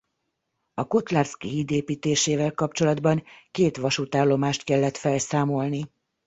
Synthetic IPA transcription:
ɒko̞t̪laːrskiɦiːd̪eːpiːt̪eːʃeːvɛlkɒp̚t͡ʃo̞lɒd̪bɒŋkeːt̪ʋɒʃut̪aːlːo̞maːʃt̪kɛlːɛt̪fɛlsaːmo̞lni

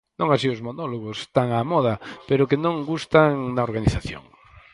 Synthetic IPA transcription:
nõŋasiʊzmonoloɣʊst̪aŋamɔðɐpeɾʊkenõŋɡust̪aŋnaoɾɣaniθaθjo̰ŋ

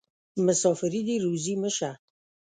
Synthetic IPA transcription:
məsɑfɪɾid̪iɾuziməʃa

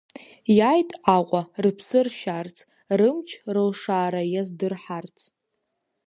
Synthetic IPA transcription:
jajtʼaqʷʼarɨpʰsɨrʃart͡sʰʼ | rɨmt͡ʃʰrɨlʂaːɾajazdɨrħart͡sʰʼ

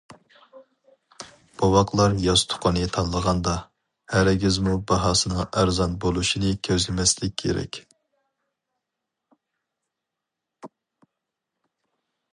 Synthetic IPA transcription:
b̥ɑwɑqlˠɑɾjɑst̪ʰʊ̥qʰːɑnɨt̪ʰɑnlˠəʁɑnd̪ɑ | hæɾɪɡʲizmubɑɦɑːsɨnɨŋæɾzɑnbolˠuʃinɨkʲʰøzlɪmɛslɪkʲːʰḛɾɛ̰kʲ

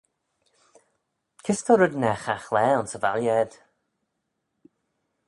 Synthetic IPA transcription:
kʰɪstʰɔɾʊd̪nɛxaxlɛːʊnsəva̰ljɛd̪̥

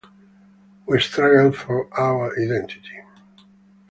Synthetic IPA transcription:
wistɹaɡəlfɔɹʔaʊə˞ʔadɛ̃ntʰi̥tʰi̥

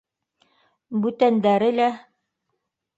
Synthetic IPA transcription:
bʉt̪ænd̪æɾɘlæ

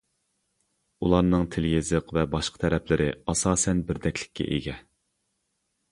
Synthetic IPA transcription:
ulˠɑɾnɨŋt̪ʰɪljezɨqvɛbɑʃqʰə̥t̪ʰɛɾɛplɪɾʔɪɑsɑːsɛnbɪɾd̪ɛkʲʰlɪ̥kʲʰːɛ̰ʔḛɡʲɛ

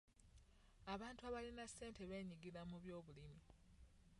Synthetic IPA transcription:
aβaːntuaβalinasːe̞ːnte̞βe̞ːɲiɡiɾamuβjo̞ːβulimi

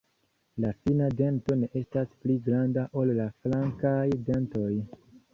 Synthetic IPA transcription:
lafinade̞nto̞ne̞ʔe̞staspliɡɾandaʔo̞llaflaŋkajde̞nto̞j

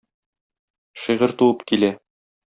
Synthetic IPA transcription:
ʃɤ̆jʁɤɾt̪uwɤpkilæ

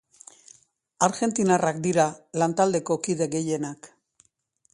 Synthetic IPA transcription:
aɾʝe̞nt̪inarakd̪iɾalant̪ald̪e̞ko̞kiðe̞ɣe̞je̞nak

